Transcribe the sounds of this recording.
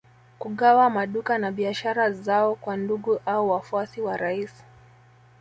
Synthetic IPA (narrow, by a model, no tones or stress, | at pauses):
kuɠawamaɗukanaɓiaʃaɾazaɔkwanduɠuʔauwafuasiwaɾaisi̥